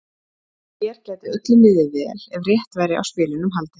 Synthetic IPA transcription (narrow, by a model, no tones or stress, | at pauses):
jɛɾ̥cɛːt̪ɪœt̪lʏmɪðɪvɛlɛvrjɛht̪vɛjɾɪʔa̰wspɪːlɪnʏmɦalt̪ɪ̥